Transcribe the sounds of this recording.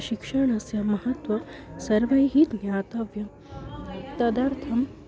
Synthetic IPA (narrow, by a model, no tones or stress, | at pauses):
ʃikʂɐɳɐsjɐmɐɦɐt̪ʋɐsɐɾʋɐjɦit̪ɡjaːt̪ɐʋjɐ | t̪ɐd̪aɾt̪ʰɐm